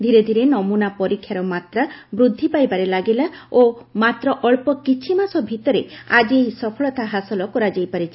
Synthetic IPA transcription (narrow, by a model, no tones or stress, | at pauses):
d̪ʱiɾed̪ʱiɾenɔmunapɔɾikʰːjaɾɔmat̪ɾabɾud̪ʱːipajbaɾelaɡilaomat̪ɾɔʔɔɭpɔkit͡ʃʰimasɔbʱit̪ɔɾead͡ʒieɦisɔpʰɔɭɔt̪aɦasɔlɔkɔɾad͡ʒajpaɾit͡ʃʰi